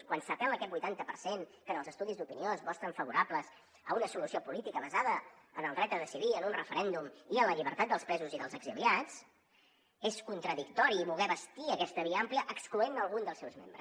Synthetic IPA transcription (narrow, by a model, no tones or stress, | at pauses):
kwansəp̪ɛməkɛt̪bujt̪ant̪əpəɾseŋkənəlˠzəst̪uðizd̪upinioəzβɔst̪ɾəɱfəβuɾapləz | əunəsulusiopulit̪ikəβəzaðəənəlˠd̪ɾɛt̪̚d̪əðəsiðiənunrəfəɾɛnd̪umiənləʎiβəɾt̪at̪̚d̪əlˠspɾɛzuziðəlˠzəɡziliat͡s | eskunt̪ɾəðikt̪ɔɾiːβulɣɛβəst̪iəkɛst̪əβ̞iəampliəʔəkskluenəlˠɣund̪əlˠsɛwzmḛmbɾə̰s